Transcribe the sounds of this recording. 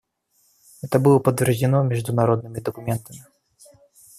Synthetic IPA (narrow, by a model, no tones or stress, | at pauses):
ɦɛt̪ɐbɨlˠɔpɐt̪vʲɛrzʲɪnɔmʲɛʐd̪unaɾɔd̪̚nɨmʲid̪ɐkumʲɛnt̪ɐmʲi